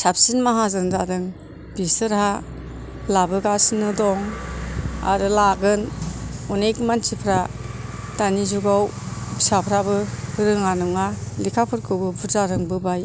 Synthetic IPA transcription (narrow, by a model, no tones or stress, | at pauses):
sap̚sinmaɦazɯndadɯŋ | bisɯɾha | labɯɡasinɯdɔŋ | a̰ɾɯlaɡɯnɔnekmant͡ʃipʰɾa | d̥anizuɡawbisapʰɾabɯɾɯŋanɯŋalikʰapʰɯɾkʰɯwbɯbuzaɾɯŋbɯbaj